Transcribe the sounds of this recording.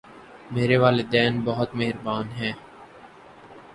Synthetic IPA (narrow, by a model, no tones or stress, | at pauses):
meːɾeʋaːled̪ɛːnbɐɦʊt̪meɦɪɾbaːnɦɛ̃ː